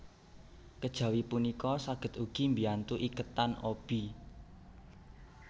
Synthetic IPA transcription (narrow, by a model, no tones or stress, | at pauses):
kəd̥ʒ̥ä̤wipunikɔsaɡ̥ə̤t̪uɡ̥i̤mbiant̪uʔikət̪anob̥i̤